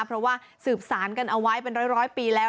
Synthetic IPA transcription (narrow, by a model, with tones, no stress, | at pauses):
pʰɾɔ˦˥waː˥˩ | sɯː˨˩p̚saː˩˦nka˧nʔa˧wa˦˥jpe˧nɾɔː˦˥˩jɾɔː˦˥jpiː˧lɛː˦˥